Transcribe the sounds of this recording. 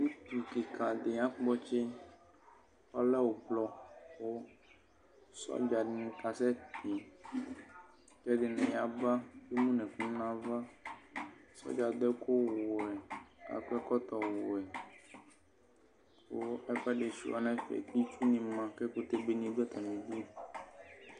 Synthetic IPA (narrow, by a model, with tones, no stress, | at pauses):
nĩ˦t̪u˨ke˨kʰa˨d̪e˨ã˦k͡pɔ˦t͡ʃe˦ | ɔ˦lɛ˦wo˨blɔ˨wo˦ | sɔ̰˦d͡ʒa˨ñ˦˨˦ka˨sɛ˦t̪e˨ | kɛ˦ɖe˨nɛ̃˨ja˨ba˦je˦mũ˦nɛ̃˨fũ˦nã˦va˦ | sɔ̰˦d͡ʒa˨d̪ɛ˦ko˦wo˨ɛ˨ka̰˨kɛ˦kɔ˦t̪ɔ˨wo̰˨ɛ˨ | wo˦ɛ˦ɸɛ˦ɖe˨ʃḭ˨a̰˨nɛ̃˦fḛ˨t̪i˦t͡ʃu˦nĩ˨mã˨kɛ˦ko˦t̪e˦be˦nĩ˦d̪u˦ɛ˦t̪a˨mĩ˨bi˦